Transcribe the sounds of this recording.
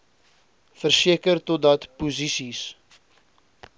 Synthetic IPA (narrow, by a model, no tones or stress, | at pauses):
fərsiəkərtɔt̚dɐtpuzisis